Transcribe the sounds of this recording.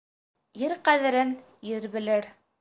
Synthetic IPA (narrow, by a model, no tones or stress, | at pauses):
jɘɾqæðɘ̆ɾɘn | jɘɾβɘ̆lɘɾ